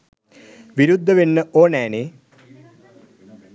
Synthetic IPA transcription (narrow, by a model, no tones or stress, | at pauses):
ʋiɾud̪ʱːɐʋinːɨʔoːneːneː